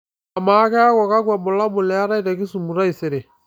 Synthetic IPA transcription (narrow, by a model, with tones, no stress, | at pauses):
a˨ma˨˦kɛ˦a˦kɔ˨ka˦kwa˨mʊ˨la˦mʊ˨lɛ˨˦a˦ɾa˦i˦ɾɛ˨kɪ˦su˨mu˨ɾa˦i˨sɪ˨ɾe˨